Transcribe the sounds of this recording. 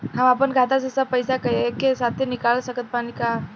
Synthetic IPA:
ɦãmapənɡʱat̪asəsapəjsakəjkesat̪ʰːenikalsəkət̪̚panika

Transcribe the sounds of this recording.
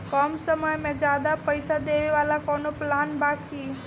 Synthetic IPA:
kɔmsəməjmẽd͡ʒjad̪apəjsad̪eʋiʋalakɔnoplanbakʰi

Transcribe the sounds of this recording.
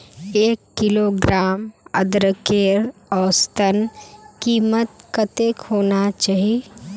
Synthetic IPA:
eːkːɪloɡɾaːmə̰d̪ɾəkeːɾɔːst̪ənkiːmət̪̚kət̪eːkhoːnat͡ʃaːɦie

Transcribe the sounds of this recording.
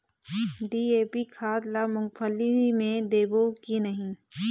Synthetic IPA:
ɖiːeːpikʰaːd̪lamʊ̃ŋɡpʰəlimẽd̪eːbokinɐɦĩ

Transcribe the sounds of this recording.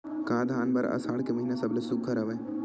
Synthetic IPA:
kãːd̪ʱaːnbɐɾɐ̰saːɽkeməɦinesəblesʊɡʱːaɾɐʋə

